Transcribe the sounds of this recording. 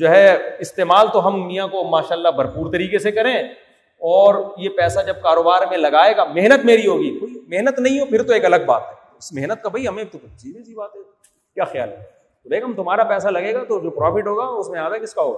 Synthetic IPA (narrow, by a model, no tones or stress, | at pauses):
d͡ʒoːɦɛɪst̪eːmaːlt̪oɦɐmːijãkomaːʃaːlːabʱɐɾpuːɾt̪ɐɾiːkesekɐɾẽː | ɔːɾjepɛːsad͡ʒɐb̚kaːɾoːbaːɾmẽlɐɡaːeːɡaːmeɦnət̪meːɾiɦoːɡiːkoːimeɦnət̪nɐɦĩɦopʰɪɾt̪oeːkɐləɡ̚ba̰ːt̪ɦɛː | ɪsmeɦnət̪̚kabʱɐiɦɐmẽit̪okʊt͡ʃiːbisibaːt̪ɦɛ | kjaːxja̰ːlɦɛ | t̪obeːkɐmt̪ʊmɦaːɾapɛːsalɐɡeːɡat̪od͡ʒoːpɾɔːfɪʈɦoːɡaʊsmẽaːd̪akɪskaɦoːɡa